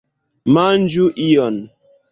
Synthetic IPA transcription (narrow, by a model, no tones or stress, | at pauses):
mand͡ʒuʔijɔn